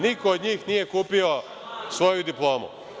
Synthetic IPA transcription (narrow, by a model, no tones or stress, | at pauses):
nikoːd̪ɲiːxnije̞kuːpio | sʋo̞jud̪iplˠo̞ːmṵ